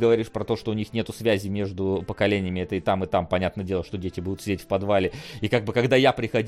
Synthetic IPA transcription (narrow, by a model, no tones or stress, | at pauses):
ɡəvɐɾʲiʂpɾɐt̪o̞ʂt̪oʊnʲixnʲe̞t̪ʊsvʲæzʲɪmʲe̞ʐd̪ʊpəkɐlʲenʲɪjəmʲɪɛt̪əɪt̪amɨt̪ampɐnʲat̪nədʲe̞lˠəʂt̪odʲetʲɪbud̪ʊt̪sʲɪdʲetʲfpɐd̪valʲɪikaɡ̚bɨkɐɡd̪ajapɾʲɪxɐdʲ